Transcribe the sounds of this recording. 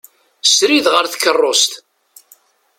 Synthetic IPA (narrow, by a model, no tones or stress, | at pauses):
sɾiðʁəɾθkːərˤːost̪